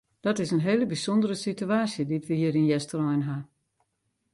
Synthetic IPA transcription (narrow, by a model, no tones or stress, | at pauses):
d̥ɔtɪsənɦeːləbisɔndəɾəsityaːsjədiətʋəhiːəɾinjɛstərɔjnɦa